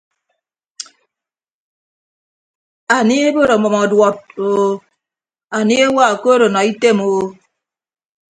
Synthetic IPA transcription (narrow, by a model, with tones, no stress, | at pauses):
a˨ni˦e˦bo˦ɾo˨mɔ˨mɔ˨dwɔ˦t̚o˦ | a˨ni˦e˦wa˦˨ko˦ɾo˨nɔ˨i˦te˦mo˨˦